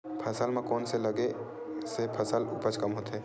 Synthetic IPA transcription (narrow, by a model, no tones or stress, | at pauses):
pʰəsəlmãkɔːnseləɡe | sepʰəsəlʊpət͡ʃkɐmɦoːt̪ɦɛː